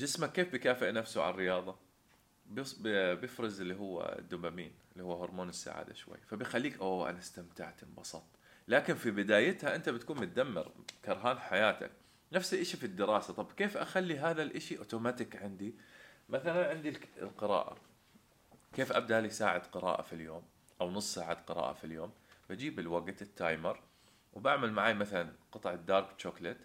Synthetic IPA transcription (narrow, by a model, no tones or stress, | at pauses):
d͡ʒɪsmakːeːfbɪkaːfɪʔnafsuʕa̰nrːɪjɑːðˤɑ | bbjɪfɾɨzɪlːiɦʊwːa̰d̪ːʊbamḭːnɪlːihuwːhʊɾˤmoːnɪsːa̰ʕa̰ːd̪a̰ʃwa̰jːfabɪjxalːiːkʔoʔa̰nast̪amt̪a̰ʕt̪ɪbɑsˤɑt̪ˤ | laːkɪnfibɪd̪aːjɪt̪haʔɪnt̪abɪt̪kuːnmʊt̪̚d̪amːɪ̰ɾkɑɾˤɦaːnħajaːt̪a̰k̚ | nafsiʔɪʃifid̪ːɪɾɑːsat̪ˤɑbkeːfʔaxalːiɦaːðalʔɪʃiʔoːt̪oːmat̪ɪkʕɪnd̪imaθalanʕɪnd̪ḭlqɨɾɑ̰ːʔa̰ | keːfʔab̚d̪aʔlisaːʕɪd̪qɨɾɑ̰ːʔa̰filjoːm | ʔawnʊsˤːsaːʕad̪qɨɾɑ̰ːʔa̰filjoːmbad͡ʒiːbɪlwaɡt̪ɪt̪ʰːaːjmɑɾˤ | wbaʕmalmaʕaːjmaθalanqɨt̪ˤʕɪd̪ːɑːɾˤbt͡ʃːoːklɪt̪